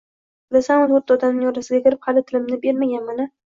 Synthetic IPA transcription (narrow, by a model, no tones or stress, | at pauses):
lasanʊnoɾt̪ːɒd̪anɪŋjɒɾasɪɡʲakʲʰɪɾɪphalɪt̪ʰɪlɪmnɪbe̞ɾmaɡʲanmana